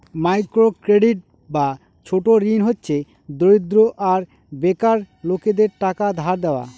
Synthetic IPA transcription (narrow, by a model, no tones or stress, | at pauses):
majkɾokɾeɖiʈ̚ | ba | t͡ɕʰoʈoɾinɦotːɕʰe | d̪oɾid̪ɾoʔaɾ | bekaɾ | loked̪eɾʈakad̪ʱaɾd̪ɛoa̰